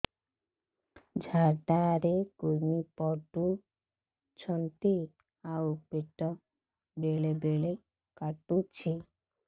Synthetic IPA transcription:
d͡ʑʱaʈaɾekoɾmipɔʈu | t͡ɕʰɔnt̪i | awpeʈːɔ | beɭebeɭe | kaʈut͡ɕʰe

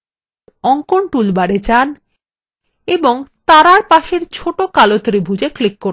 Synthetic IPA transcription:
ɔŋkoɳʈulbaɽed͡ʑan | eboŋt̪aɾaɾpaʃeɾt͡ɕʰoʈokalot̪ɾibʱud͡ʑeklikːo

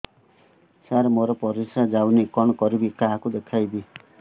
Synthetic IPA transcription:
saɾmoɾɔpʌɾisad͡zawnekɔɳkʌɾibikaɦkud̪ekʰajbi

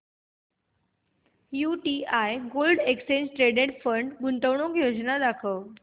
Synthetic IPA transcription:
juʈiajɡolɖekst͡ɕẽnd͡ʑʈɾeɖeʈfəɳɖɡuɳʈəʋɳokjod͡ʑnad̪akʰəʋ

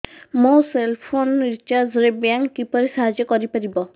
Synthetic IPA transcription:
moselpʰonɾit͡ʃaɾzɾebjaŋkːipɔɾisaɦad͡ʒjɔkɔɾipaɾibɔ

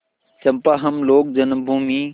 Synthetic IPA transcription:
t͡ɕɐmpaːɦɐmloːk̚d͡ʒɐnmbʱuːmiː

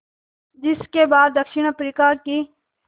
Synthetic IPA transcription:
d͡ʒɪskeːbaːd̪ːəkʃɪɳəpɾiːkaːkiː

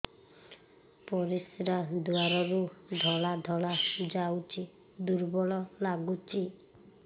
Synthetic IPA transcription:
pɔɾisɾad̪uaɾɔɾud̪ʱɔɭad̪ʱɔɭad͡ʒawt͡ʃʰi | d̪uɾbɔɭɔlaɡut͡ʃʰi

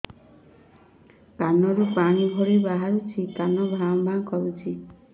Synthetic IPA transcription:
kanɔɾupaɽ̃ibʱoɾibaɦaɾut͡ʃʰikanɔbʱambʱaŋkɔɾut͡ʃʰi

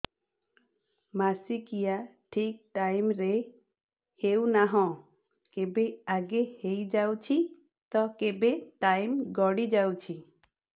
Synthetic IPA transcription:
masikijaʈʰik̚ʈajmɾe | hewnaɦɔ̃ | kebeaɡehejd͡ʒawt͡ʃʰi | t̪ɔkebeʈajmɡɔɽid͡ʒawt͡ʃʰi

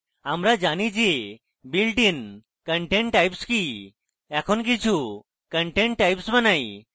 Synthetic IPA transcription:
amɾad͡ʒanid͡ʒe | bilʈin | kəɳʈeɳʈʈːajpski | ɛkʰɔnk̬it͡ʃʰu | kəɳʈeɳʈʈajpsmanaj

